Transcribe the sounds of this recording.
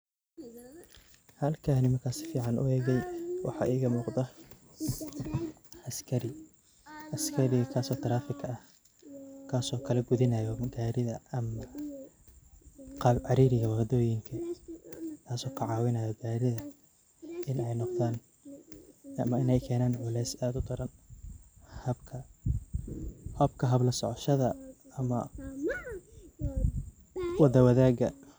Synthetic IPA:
hɐlkʰɐːnɪmɐkʰaːsɪ̥fiːʕɑnʔʊ̰ɛːɣɛjwʔɑ̰ħɑ̰ːʔiːɣɐmuːqd̪ɐ | ɐskʰɐɾɪ | ɐskʰɐɾɪɣɐkʰaːsɔːt̪ʰɐɾaːfɪkʰɐɐh | kʰaːsɔːkʰɐlɐɡʊðɪnɐjɔɡaːɾɪðɐɐmɐ | ɑʕɑɾiːɾɪɣɐwɑd̪ɔːjɪŋkʰɐ | k̪ʰaːsɔːkʰɐʕɑːwɪnɐjɔɡaːɾɪðɐ | ɪnɛjnɔqðaːn | ɐmɐɪnɛjkʰɛːnaːnʕʊlɛːsaːd̪ʊd̪ɐɾɐn | hɐbkʰɐ | hɐbkʰɐɦɐblɐsɔʕɔʃɐðɐɐmɐ | wɑd̪ɐwɐðaːɡɐ

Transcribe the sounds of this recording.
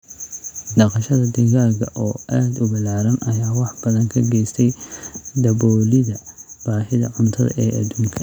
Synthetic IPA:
ɖɑqɑʃɐðɐd̪ɐɣaːɡɐʔɔːʔaːd̪ʊbɐlaːɾɐnʔɐjaːwɑħb̥ɐðɐŋkʰɐɡɛjst̪ʰɛjd̪ɐβɔːlɪðɐb̥aːħɪðɐ̰ʕʊnt̪ʰɐ̰ðɐ̰ʔɛːʔɐ̰d̪uːŋkʰɐ

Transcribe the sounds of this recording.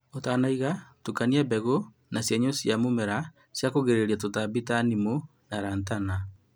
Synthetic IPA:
otaːnaiɣatukaniabɛɣo | nasjaɲosjamomɛɾa | sjakoɣeɾeɾiatotabitanimo | naɾaːntana

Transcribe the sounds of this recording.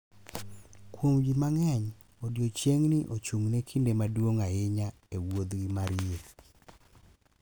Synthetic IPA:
kwomɡimaŋɛɲ | odjot͡ʃjeŋnɪʔot͡ʃuŋnekʰindemadwoŋaɪɲa | ewod̪ɡimaɾie

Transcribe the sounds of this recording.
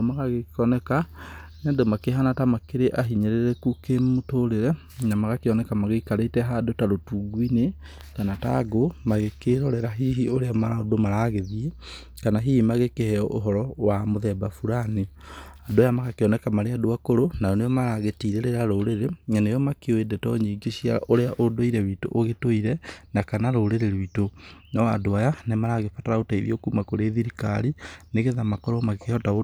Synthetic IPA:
maɣaɣekɔnɛkaneadomakeɦanatamakeɾeʔaɦiɲeɾeɾɛkukemotoɾeɾɛ | namaɣakeɔnɛkamaɣekaɾeitɛɦadotaɾotuːɡwine | kanataɡomaɣekeɾɔɾɛɾaɦiɦioɾeamaɾaodomaɾaɣeðie | kanaɦihimaɣekehɛɔʔoɦɔɾɔwamoðɛbafuɾani | adoajamakakeɔnɛkamaɾeadoakoɾonaɔnejɔmaɾaɣetiːɾeɾeɾaɾoɾeɾeɲanejɔmakeoedɛtɔ̰ɲiːɡeɕia̰ʔoɾeaʔodoiɾɛwiːto̰ʔoɣetoiɾɛnakanaɾoːɾeɾeɾwitonaadoajanemaɾaɣefataɾaotaiðḭokumakoɾeðiɾika̰ɾineɣeðamakɔɾɔmakeɔtao

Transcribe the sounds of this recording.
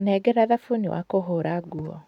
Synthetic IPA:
nɛɡɛɾaðafoniwʔa̰koɦoɾaɡuɔ̰

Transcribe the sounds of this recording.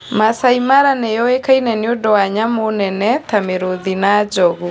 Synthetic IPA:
masaimaɾanejɔekainɛneodɔwaɲamonɛnɛtameɾoðinad͡ʒɔɣu

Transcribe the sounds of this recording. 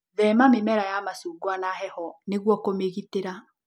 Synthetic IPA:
ðɛmamemɛɾajamasuːɡwanahɛhɔneɣwɔkomeɣiteɾa

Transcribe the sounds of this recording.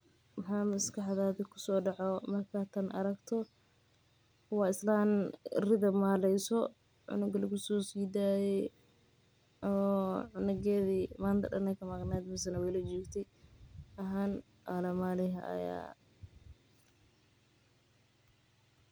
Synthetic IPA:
wɑħaːmɐskɑħðaːðɪkʰʊ̥sɔːɖɑʕɔmɐrkʰaːt̪ʰɐnʔɐ̰ɾɐɡt̪ʰɔ | wɑːɪslaːnrɪðɐmaːlɛjsɔ | ʕʊ̰nʊɡɐlɪɡʊsɔːsiːd̪aːjɛ | ɔːʕʊnɐɣɛːðiːmaːnt̪ʰɐ̰ɗɐ̰nɛkʰɐmɐɡnɛːd̪mɪs̬ɐnɐwɛjlɐd͡ʒɔːɡt̪ʰɛ | ɐɦaːn | ʔalɐmaːlɪɦɐ̰ʔɐ̰ja̰ː

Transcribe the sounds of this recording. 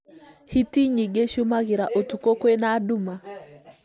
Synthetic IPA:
hitiɲiɡɛʃumaɣiɾaʔɔtukɔkwɛnaɗuma

